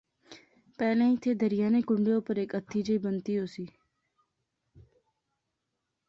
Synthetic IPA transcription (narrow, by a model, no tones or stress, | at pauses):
pɛːlẽːĩːt̪ʰeːd̪əɾɪjaːneːkʊɳɖeːoːpəɾeːkət̪ʰːiːd͡ʒəiːbənt̪iːɦoːsiː